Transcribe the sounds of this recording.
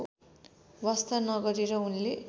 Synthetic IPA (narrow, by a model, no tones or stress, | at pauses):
wʌst̪ʰanʌɡʌɾiɾʌunle